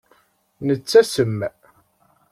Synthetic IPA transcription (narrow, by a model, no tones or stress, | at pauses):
nət͡sːæsəmː